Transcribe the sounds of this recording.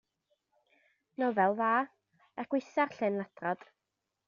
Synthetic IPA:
nɔvɛlˠvaː | ɛkwɪsarɬɪnlˠadrɔd̥

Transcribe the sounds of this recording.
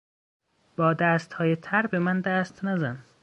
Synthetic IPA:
b̥ɒːd̪æːst̪hɒːjet̪ʰæɾbemænd̪æːst̪næzæn

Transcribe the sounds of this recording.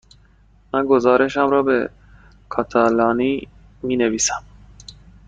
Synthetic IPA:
mænɡozɑːɾeʃæmɾɒːbe | kʰɑt̪ʰælɑːni | miːneviːsæm

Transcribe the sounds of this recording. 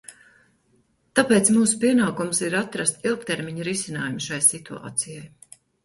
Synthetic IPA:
t̪apeːt̪smuːsu̥piɛnaːkumsiɾat̪ɾast̪ilˠkt̪eɾmiɲɾisinaːjumʃajsit̪ua̰ːt̪sijaj

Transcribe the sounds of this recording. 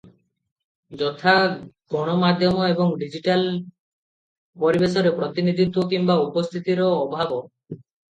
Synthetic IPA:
d͡ʒɔt̪ʰaɡʱɔɽ̃ɔmad̪ʱjɔmɔebɔŋɖid͡ʒiʈal | pɔɾibesɔɾepɾɔt̪inid̪ʱit̪wɔkimbaupɔst̪ʰit̪iɾɔːbʱabɔ

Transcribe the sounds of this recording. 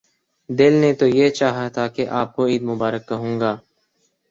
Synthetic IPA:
d̪ɪlnet̪ojet͡ʃaːɦat̪ʰakeʔaːp̚koiːd̪mʊbaːɾəkːɐɦũːŋɡaː

